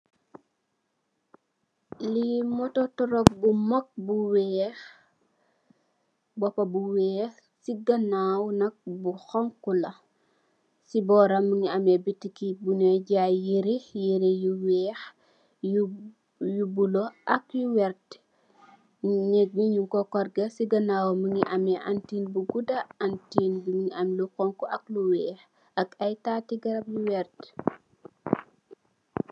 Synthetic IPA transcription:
limɔtɔtɔɾɔk̚bumak̚buwɛx | bɔpabuwɛːx | siɡɐnawnɐk̚buxɔŋkulɐ | sibɔɾamuniamebitikibuneɟajeɾijeɾejuwɛːx | jubuloʔɐkjuwɛɾt | nɛk̚miɲuŋkɔkɔrɡɐsiɡɐnawoməŋɡiʔɐmɛʔantiːnbuɡudɐantiːnbuŋiʔɐmlukɔŋkuʔɐk̚luwɛːx | ɐkɐjtaːtiɡɐɾɐpjuwɛrt

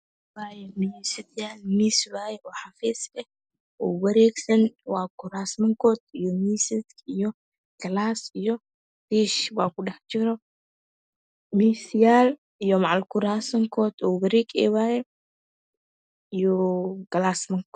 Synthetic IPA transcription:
waːjɛnisɪt̪jaːlmiswaːjɛʔɔːħafɛːsɛ | ɔːwɐɾɛːɡsɐnwaːkʊɾaːsmɐŋkɔːt̪ijɔmiːsɪt̪ijɔ | ɡ̥ɐlaːsijɔ | tiʃwaːkʊɗɐħt͡ʃɪɾɔ | miːsjaːl | ijɔmaʕalkʊɾaːsɐŋkʰɔːt̪ɔːbɐɾikɛ̰ːwaːjɛ | ijɔɡ̥ɐlaːsmɐŋk

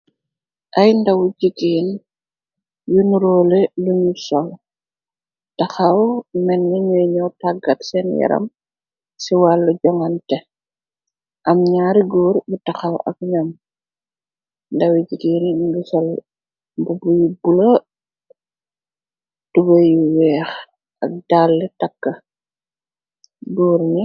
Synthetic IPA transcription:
ʔɐjndɐwuɟikiːn | junuɾɔːlɛluɲusɔl | tɐxɐwmɛnːɐɲuɲɔwtaɡːɐtsɛnjɛ̰ɾɐ̰m | siwalːuɟɔŋɐntɛ | ʔɐmɲaɾiɡɔːɾbutɐxɐwɐ̰k̚ɲɔm | ndɐwiɟiɡiniɡusɔl | mbubujubulɐ | tubɐjuwɛːx | ʔɐk̚d̥alːɛtɐkːɐ | ɡuːɾɲi

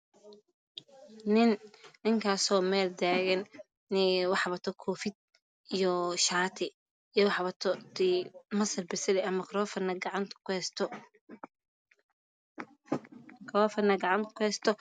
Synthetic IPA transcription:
nɪnnɪŋkʰaːsɔːmɛːld̪aːɣɐn | nɪwɑħβɐt̪ʰɔkʰɔːfɪd̪̚ | ijɔʃaːt̪ʰɪ | ijɔwħβɐt̪ʰɔd̪imɐsɐrbɪsɪlɛʔɐmɐkʰɾɔːfɐnɐɡʕɑnt̪ʰkɛst̪ʰ | kʰɾɔːfɐnɐɡɑʕɑnt̪ʰkʰʊhɛst̪ʰɔ

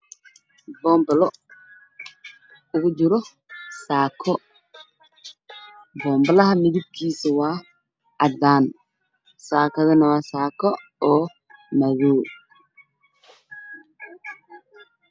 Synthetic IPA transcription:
bɔːmblɔ | ʊɡud͡ʒuɾɔ | saːkʰɔ | bɔːmblɐhɐmiðib̚kʰiːsɛwaː | ʔad̪aːn | saːkɐðɐnɐwaːsaːkɔɔː | mɐðoː

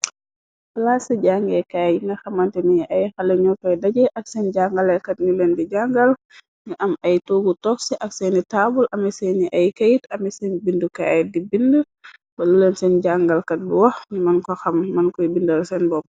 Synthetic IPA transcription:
bɐlasiɟaŋɡɛkajŋɡɐxɐmɐntiniʔɐjxɐlɛɲɔkɔjdɐɟɛʔɐksɛnɟaŋɡalɛkɐt̚ɲulɛndiɟaŋɡɐl | ɲuʔɐmɐjtoɡutɔksɛʔɐksɛnitabulʔɐmɛsɛnːiʔɐjkɐjitɐmɛsɛnbindukajt̚dibindu | bɐlulɛnsɛnɟaŋɡalkɐt̚diwɔxɲumɐnkɔxɐmːɐnkɔjbindɐlsɛnbɔp̚

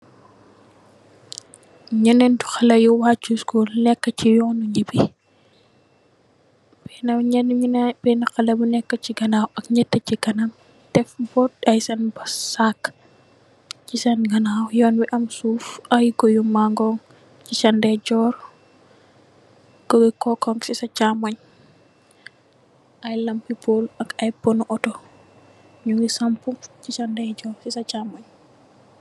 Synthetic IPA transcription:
ɲɐnɛntu̥xɐlɐjuwacːuskuːlnɛkːəcijɔnuɲibi | bɛnɐɲɛnnbɛnɐxɐlɐbunɛkːət͡ʃiɡɐnaːwʔɐkɲɛtːəciɡɐnam | tɛfbɔt̚ɐjsɐnbɐssak | t͡ʃisanɡanawɔjɔnwiʔamsufajɡojumːaŋɡɔŋ | t͡ʃisandɛd͡ʒɔɾ | ɡ̥owɛkɔkɔŋɡsisat͡ʃamaɲ | ʔajlampipolakajpɔnɔʔɔtɔ | ɲuŋisamput͡ʃit͡ʃandɛd͡ʒɔɾsisat͡ʃamaɲ

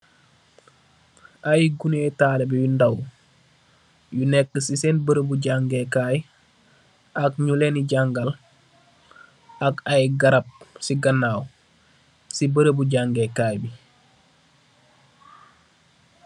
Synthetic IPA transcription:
ajɡunetaːlebijundaw | junɛkːəsisenbəɾəbuɟaŋɡekaːj | akɲuleniɟaŋɡal | akajɡɐɾɐp̚siɡɐnaːw | sibəɾəbuɟaŋɡekaːjbi

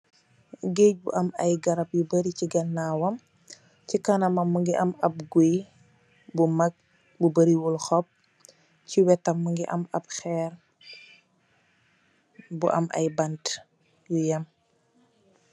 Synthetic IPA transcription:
ɡeːc̚bṵʔɐmɐjɡɐɾɐp̚jubɐɾiciɡɐnːaːwɐm | cikɐnɐmɐmːuŋɡiʔɐmɐp̚ɡuj | bumɐk̚ | bubɐɾiwulxɔp̚ | ciwɛtːɐmːuŋɡiʔɐ̰mɐp̚xɛːr | buʔɐ̰mʔɐ̰jbɐnt | jujɐm

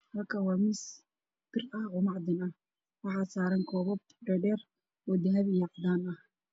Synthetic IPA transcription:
hɐlkʰawɑːmɪs | b̥ɪrɐhɔːmɑʕd̪ɪnɐh | wɑħɑːsaːɾɐŋkʰɔːβɔb | ɖɛɖɛːr | wɔd̪ɐɦɐβɪjɑʕd̪aːnɐh

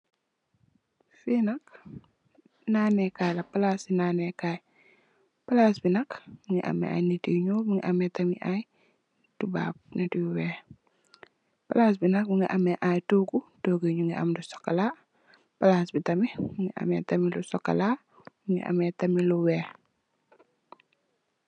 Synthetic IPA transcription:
finɐk̚ | naːnɛkaːjlɐpalaːsinanɛkaːj | palaːsbinɐkbuŋḭʔa̰mɛ̰a̰jnetiɲubuŋiʔamɛtɐmiʔaj | duba̰ːb̚netiwɛː | palaːs̬binɐk̚muŋiʔamɛʔajtoɡutoːɡiɲuŋiʔa̰mdusɔ̥kɐla | pɐlaːsbitɐmimuŋiʔa̰mɛ̰tɐmilusɔkːɐ̰la | buŋḭʔa̰mɛtɐmiluwɛː

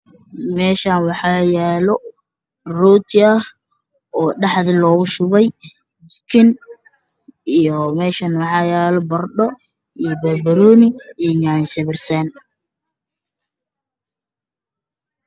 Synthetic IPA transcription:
mɛːʃaːnwɑħɑːjɛːlɔ | rɔːt̪ʰɪɐh | ʔɔːɖɑħðɪlɔːɣʊʃʊβɛj | kʰɪn | ijɔmɛːʃanwɑħɑːjɛːlɔbɐrɖɔ | ijɔbɐrbɐɾɔːnɪijɲansɛβɛrsɐn

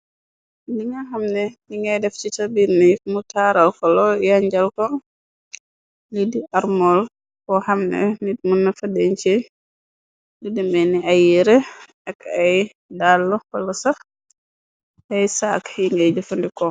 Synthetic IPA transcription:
diŋɐhɐmnɛdiŋɡɐjdɛft͡ʃitabiɾnɛmutaɾɐlkɔlɔjaɲɟɐlkɔ | lidiʔaɾmɔl | kɔhɐmnɛ̰nit̚munːɐfɐdɛɲt͡ʃɛ | didimbɛnːiajiɾɛ | ɛkaj | dalːɔkɔlɔsɐx | hɛjsakjiŋɡɐjd͡ʒɐfɐndikɔ

